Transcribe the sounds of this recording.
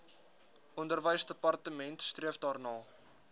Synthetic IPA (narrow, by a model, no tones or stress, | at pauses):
ʔɔndərvəjsdəpɐrtəmɛntstriəfdɑːrnɑː